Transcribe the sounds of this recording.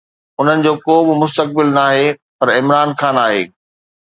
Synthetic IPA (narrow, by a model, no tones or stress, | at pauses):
ʊn̤ənɪ̆d͡ʑoːkoːbɪmʊst̪ək̚bɪlnaːɦepɐɾɪmɾaːnxãːnaːɦḛː